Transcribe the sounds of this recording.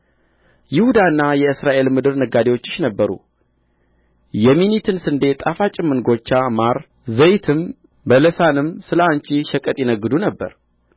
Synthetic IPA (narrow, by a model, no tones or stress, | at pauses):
jɪhud̪aɨnːajɛɨsɾaʔe̞lmɨd̪ɨɾnəɡad̪ewo̞t͡ʃːɪ̥ʃnəbːəɾṵ | jɛminit̪ʰɨnsɨnd̪e̞t̪ʼafat͡ʃʼɪmːɨnɡo̞t͡ʃːamaɾ | zəjt̪ʰɨm | bələsanɨmsɨlant͡ʃiʃəkʼət̪ʼjɛnəɡːɨd̪unəbːə̰ɾ